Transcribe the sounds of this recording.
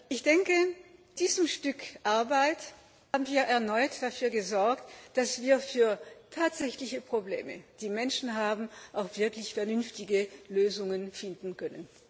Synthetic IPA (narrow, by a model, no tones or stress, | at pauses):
ʔɪçd̥ɛŋkəd̥iːzəmʃtʏkʔaɐbaɪt | haːbn̩viːɐʔɛɐnɔʏtd̥afyːɐɡəzɔɐktd̥asv̥iːɐfyːɐtʰaːtz̥ɛçlɪçəpʁ̥oblḛːmə̰d̥iːmɛnʃn̩ɦaːbm̩ʔaʊxv̥ɪɐklɪçfɛɐnʏnftɪɡəløːzʊŋənfɪndn̩kʰœnən